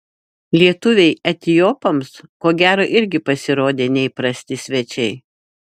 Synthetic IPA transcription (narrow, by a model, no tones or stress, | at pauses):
lʲiɛt̪ʊʋʲɛɪɐt̪ʲɪjoːpomskoːɡʲæːɾoːʔɪɾʲɡʲɪpɐsʲɪɾoːd̪ʲeːnʲɛipɾɐsʲt̪ʲɪsʲʋʲɛt͡ʃʲɛɪ